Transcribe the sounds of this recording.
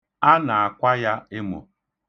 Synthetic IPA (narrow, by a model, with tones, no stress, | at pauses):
a˦na˨a˨kʷa˦ja˦e˦mʊ̰˨